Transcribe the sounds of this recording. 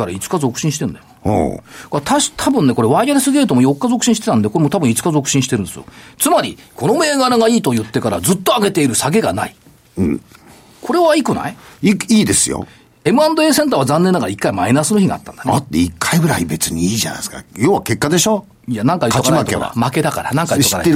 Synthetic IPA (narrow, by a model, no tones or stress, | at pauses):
kaɾait͡sɨ̥kazo̞kɯ̟̥ɕĩɕi̥t̪e̞ɯ̃nd̪ajoho̰kat̪ʰaɕt̪ʰabɯ̟̃nːeko̞ɾe̞βaiaɾesɨɡʲeɾɯt̪omojo̞kːazo̞kɯ̟ɕĩɕi̥t̪e̞t̪ãnd̪ekoɾe̞mo̞t̪abɯ̟̃it͡sɨ̥kazo̞kɯ̟ɕĩɕi̥t̪eɾɯ̃e̞sɨjo̰t͡sɨmaɾʲikʰo̞no̞me̞ːɡaɾaɡaiːt̪o̞jɯ̟t̪ːe̞kaɾazɨt̪ːo̞aɡe̞t̪e̞iɾɯ̟saɡe̞ɡanai | ɯ̃ | kʰo̞ɾe̞βaikɯna̰iiiːd̪e̞sɨjo̰ | e̞mɯ̟ãnd̪oe̞ːsent̪̬aːβazãnːenːaɡaɾaikːaimainasɨno̞çiɡa̰t̪ːã̰nd̪anat̪ːeikʰːaiɡɯ̟ɾaibe̞t͡sɨɲ̟iiːʑa̰na̰jska̰joːβake̞kːad̪e̞ɕo̞ː | janãŋkajɯt̪ːokamak̪toḛa̰make̞d̪akaɾa̰nãŋkaitoiaae